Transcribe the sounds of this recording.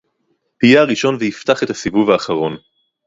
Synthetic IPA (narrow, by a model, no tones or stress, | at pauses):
pijeaʁiʃo̞nvehift̪aχe̞t̪hasivuvhaːχaʁo̞n